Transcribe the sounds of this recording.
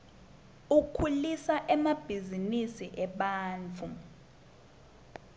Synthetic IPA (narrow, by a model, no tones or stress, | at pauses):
ukʰulisaʔɛmab̥ʱizinisiʔɛɓaːnt͡fʰu